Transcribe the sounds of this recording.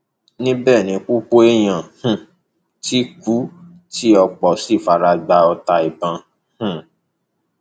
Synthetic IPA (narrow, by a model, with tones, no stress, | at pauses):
nĩ˦bɛː˦˨nĩ˨˧k͡pu˦k͡po˦e˦j̃ã˨hũ˦˨ | ti˦ku˨˦ | ti˦ɔ˧k͡pɔ˨si˦˨fa˧ɾa˧ɡ͡ba˧ɔ˧ta˧i˨bã˨˧ | hũ˦˨